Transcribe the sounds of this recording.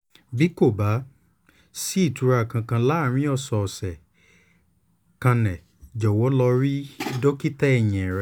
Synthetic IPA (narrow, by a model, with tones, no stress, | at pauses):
bi˨˦ko˦˨ba˨˦ | si˦i˦˨tu˨˧ɾa˧˨kã˧kã˧la˨˦˨ɾ̃ĩ˦ɔ˦˨sɔ˨sɛ˨ | kã˧nɛ̃˨ | d͡ʒɔ˨wɔ˨˦lɔ˧ɾi˦i˧˦do˦ki˦tɛ˦ɛ˦˨j̃ɛ̃˨ɾɛ˧˦